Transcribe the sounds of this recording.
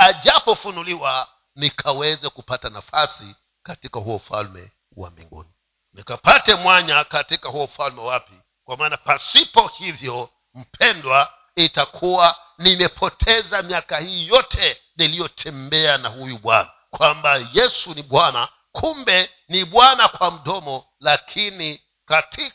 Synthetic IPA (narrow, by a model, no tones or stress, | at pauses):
aʄapɔfunuliwa | nikʰawɛzakupatanafasi | katikahuɔfa̰lmɛ̰ | wa̰mḭŋɡṵni | mikapatɛmwaɲakatikahuɔfalmɛwapi | kwamaːnapasipɔhivjɔ | m̩pʰɛndwa | itakʰuwa | nimɛpʰɔtʰɛzamiakahiːjɔtʰɛ | nilijɔtʰɛmbɛanahujuɓwa̰na | kwambajɛsuniɓwana | kʰumbɛ | niɓwanakwam̩ɗɔmɔ | lakʰini | katʰi